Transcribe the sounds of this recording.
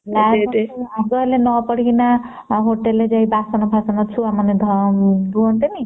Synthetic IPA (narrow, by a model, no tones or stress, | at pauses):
laɡeaɡɔlenɔpɔɽ̤ina | ɦoʈelːed͡ʒaj̃basɔnɔbʱasɔnɔt͡ʃʰuamʌned̪ʱd̪uʌnt̪eni